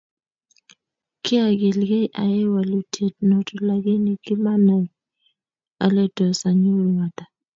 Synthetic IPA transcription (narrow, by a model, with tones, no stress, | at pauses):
kɪ˦a˨ɡɪ˨lɡe˦ʔa̰˨ɪ˦wa˨lu˨tʰe˨t̚no˨to˨la˨ɡe˦ni˨kɪ˦ma˦na˨ | a˨le˦dɔ˨sa˨ɲo˦˨wa˨ta˨